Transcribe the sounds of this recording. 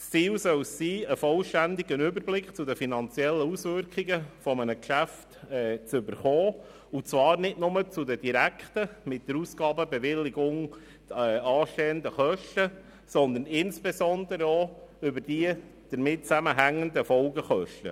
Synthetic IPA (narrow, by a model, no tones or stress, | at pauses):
st͡siːlsœlssiːəfɔlʃtænd̪ɪɡənʏbəɾblɪkχt͡sʊdəfinɑnt͡siɛlːəusʋʏɾkʰɪɡəfɔmənəkʃæftɛːt͡sʏbəɾχɔː | ut͡svɑːɾnɪtnʊmət͡sʊdəd̥iɾækχtəmɪt̚d̥əɾusɡ̥ɑːbəbɛʋɪlːɪɡʊŋ | ɛɑːʃteːəndəχœʃtə | sɔnd̪ənɪnsb̥ezɔnd̪əɾəoʏbəɾd̥i | d̪̥əɾmɪtt͡sæməɦæŋːənd̪əfɔlɡəχœʃtə̰